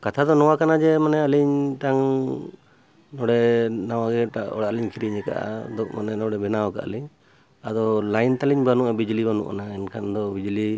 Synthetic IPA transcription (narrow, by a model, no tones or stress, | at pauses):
kat̪ʰad̪ɔnɔwakanad͡ʒɛmanɛaliɲt̪aŋ | nɔɽɛnawaɡɛʈaʔɔ̰ɽaliɲkʰiɾiɲɛka̰ʔa̰d̪ɔk̚manɛnɔɽɛbɛnawɔka̰ʔa̰liɲ | ad̪ɔlajnt̪aliɲbanuʔabid͡ʒlibanṵʔa̰naɛnkʰand̪ɔbid͡ʒli